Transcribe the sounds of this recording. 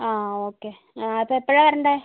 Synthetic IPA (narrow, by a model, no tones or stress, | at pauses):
aːoːkːe | aɐpːoːipːoːɭeʋɐɾɐɳɖa